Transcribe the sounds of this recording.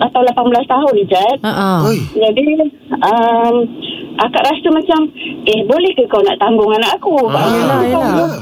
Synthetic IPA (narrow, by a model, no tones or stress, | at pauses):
at̪awlapanbəlast̪aɦʊnid͡ʒait̪̚ | d͡ʒadi | əmʔakaʔɾast̪umat͡ʃamʔɛhbolɛhkəkawna̰ʔt̪aŋɡʊŋanaʔakubaʔlakadʊ